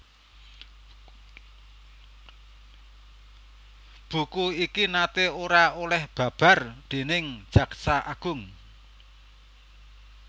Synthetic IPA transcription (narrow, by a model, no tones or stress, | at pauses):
b̥ṳkuikinat̪eoɾaolɛhb̥ä̤b̥a̤rd̪̥e̤nɪŋ̥d͡ʒ̥ä̤ksaʔaɡ̥ʊŋ